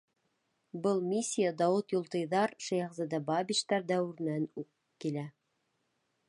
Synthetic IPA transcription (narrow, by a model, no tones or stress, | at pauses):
bɤlˠmʲisʲːijad̪ɑwɤt̪julˠt̪ɤ̆jðɑɾʃæjʁzæd̪ɑbɑbʲiʃt̪ɑɾd̪æwɘ̆ɾnænʉk | kːilæ